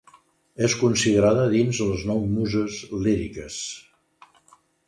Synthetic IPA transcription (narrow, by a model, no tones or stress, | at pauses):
eskunsiðəɾaðəðinzləznɔwmuzəzliɾikəs